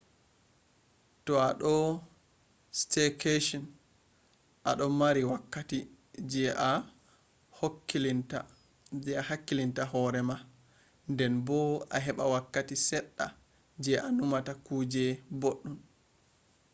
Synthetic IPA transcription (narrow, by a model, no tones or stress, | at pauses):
tɔaɗɔ | stɛkeʃɔn | ʔaɗɔmaɾiwakːati | d͡ʒɛʔa | hokːilinta | d͡ʒɛahakːilintahɔɾɛma | ndɛnbɔa̰ɦɛɓawakːatisɛɗːa̰ | d͡ʒɛʔanumatakuːd͡ʒɛboɗːum